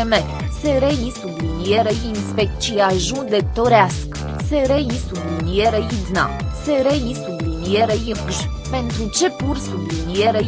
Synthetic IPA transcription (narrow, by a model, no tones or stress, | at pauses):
mɛ | sɛɾɛjĩsubliniɛɾəjinspɛk̚t͡ʃiaʒũd̪ɛk̚t̪ɔɾask | sɛɾɛjisubliniɛɾəjid̪na̰ | sɛɾɛjĩsublinjɛɾəjəɡʒ | pɛnt̪ɾut͡ʃɛpuɾsubliniɛɾə